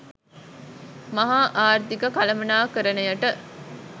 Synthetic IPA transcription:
mɐɦaːʔaːrt̪ikəkalɐmɐnaːkəɾənəjəʈə

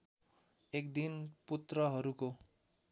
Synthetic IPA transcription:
ekd̪input̪rʌɦʌɾuko

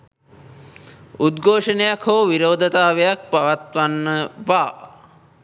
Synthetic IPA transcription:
ud̪ɡʱoːʂənejakʰoːʋiɾoːd̪ʱət̪aːʋejak̚paʋat̪ʋanːəʋaː

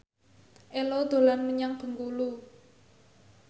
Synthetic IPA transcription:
ʔelod̪̥o̤lanməɲaŋb̥ə̤ŋɡulu

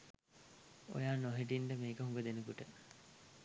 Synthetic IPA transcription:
o̰jaːnoɦiʈ̬inɖəmeːkəɦuŋɡəd̪enəkuʈə

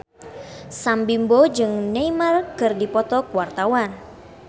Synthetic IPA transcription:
sambimbod͡ʒɨŋneimarkɨrdipɔt̪ɔkuwart̪awan

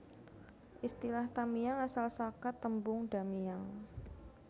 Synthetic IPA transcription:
ʔist̪ilaht̪amijaŋasalsakat̪ːəmbʊŋɖa̤mijaŋ

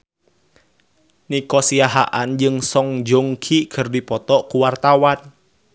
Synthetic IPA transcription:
nikɔsiaɦa̰ʔand͡ʒɨŋsɔŋd͡ʒoŋkʰikʰərdipɔt̪ɔkuwart̪awan

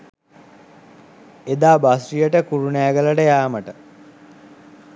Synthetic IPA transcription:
ed̪aːbasrijəʈəkuɾunæːɡələʈəjaːməʈə

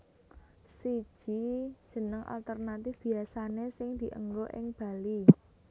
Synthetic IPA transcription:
sid̥ʒ̥id̥ʒ̥ə̤nəŋʔa̰lt̪ərnat̪ɪfb̥i̤asanesɪŋd̪̥i̤ʔə̰ŋɡoʔɪ̰ŋb̥a̤li

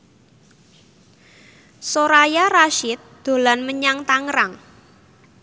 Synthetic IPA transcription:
soɾajaraʃɪt̪̚d̪̥o̤lanməɲaŋt̪aŋɾaŋ

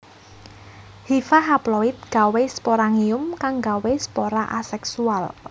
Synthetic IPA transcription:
hifaɦaplɔɪt̪̚ɡ̥a̤wespoɾaŋiʊmkaŋɡawespoɾaʔasɛksual

